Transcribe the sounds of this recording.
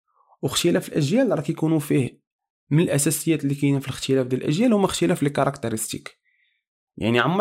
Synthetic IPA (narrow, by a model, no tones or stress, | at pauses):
wxt̪jælæfilʔæʒjælɾˤɑkjkunufih | mənəlʔæsæsəjːæt̪lːikæjnæfiləxt̪əlæfd̪əlʔæ̰ʒjælhʊmːæxt̪ælæfilkɑɾˤɑkt̪əɾəst̪ḭk | ja̰ʕniʕamː